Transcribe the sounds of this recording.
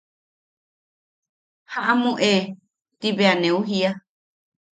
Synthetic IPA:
haʔamũʔe | t̪iβeanẽũɦia

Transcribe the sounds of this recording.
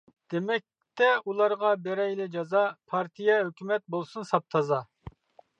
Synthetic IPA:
d̪̥emɛk̚ʲ | t̪ʰɛulˠɑɾʁɑbɛɾɛjlɪd͡ʒɑzɑpʰɑɾt̪ʰijɛɦøkʲʰymɛt̪̚bolˠsunsɑp̚t̪ʰɑzɑ

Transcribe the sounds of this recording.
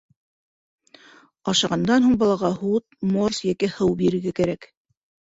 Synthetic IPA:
ɑʃɑʁɑnd̪ɑnɦuɴbɑlˠɑʁɑhut̪̚morsjækɘhɤwbiɾɘ̆ɾɡækæɾæk

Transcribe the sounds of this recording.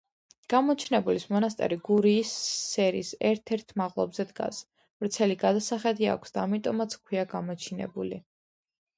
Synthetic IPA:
ɡ̥amɔt͡ʃʰnɛbulismɔnast̪ʼɛ̰ɾiɡuɾiːsːɛɾḭsɛ̰ɾt̪ʰɛɾt̪ʰmaʁlˠɔ̰bzɛd̪ɡa̰s | vɾt̪sʰɛliɡad̪asaχɛd̪ia̰kʷʰsd̪̥aːmit̪ʼɔmat̪sʰkʰwiaɡamɔt͡ʃʰinɛ̰buli

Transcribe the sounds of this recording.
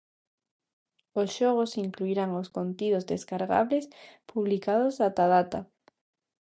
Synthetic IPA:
osʃoɣ̞osiŋkluiɾaŋoskont̪ið̞ozðeskaɾɣa̰βlespuβlikað̞osat̪aðat̪a

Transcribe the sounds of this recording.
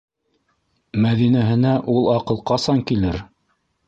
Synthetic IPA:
mæðinæɦɘ̆næʔulˠɑqɤ̆lˠqɑsɑŋkilɘɾ

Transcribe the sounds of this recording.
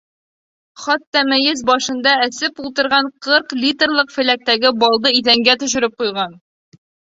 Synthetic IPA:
χɑt̪ːɑmæjɘzbɒʃɤ̆nd̪ɑæsɘpulˠt̪ɤ̆ɾʁɑɴqʰɤɾqlʲit̪rlˠɤqfɘ̆læk̚t̪æɡɘbɒlˠd̪ɤiðæŋɡæt̪ɵ̆ʃɘ̆ɾɘp̚qujʁɑn

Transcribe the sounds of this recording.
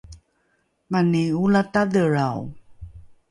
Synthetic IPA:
maniulatadəɾaw

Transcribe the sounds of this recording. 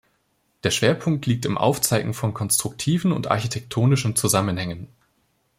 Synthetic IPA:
d̥eːɐʃv̥eːɐpʰʊŋk̚tʰliːk̚tɪmʔa̰ʊft͡saɪɡŋ̩fɔnkʰɔnstʁ̥ʊk̚tʰiːvn̩ʊ̰ntʔa̰ɐçitʰɛk̚tʰoːnɪʃn̩t͡suzamənhɛŋən

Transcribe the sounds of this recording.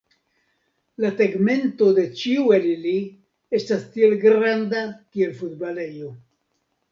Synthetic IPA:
laseɡme̞nto̞de̞t͡ʃiuelili | e̞stastie̞lɡɾandakie̞lfutbale̞jo̞

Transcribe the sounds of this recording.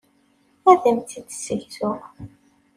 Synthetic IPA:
æðæmt̪id̪sːəçθʊ

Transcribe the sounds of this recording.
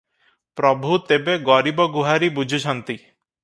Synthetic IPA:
pɾɔbʱut̪ebeɡɔɾibɔɡuɦaɾibud͡ʒʱit͡ʃʰɔnt̪i

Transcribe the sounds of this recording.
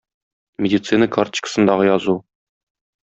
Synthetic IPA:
mʲɪdʲit̪sɨnəkart͡ɕkə̥sɤ̆nd̪ɑʁɤjɒzu

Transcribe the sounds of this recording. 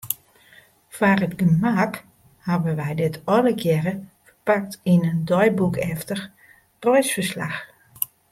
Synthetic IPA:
faːrətɡəmak | habənʋɛjdɪtʰɔləkʰjɛɾəfəpak̚tinəndɔjbukɛftər | prɔjsfərsla̰x

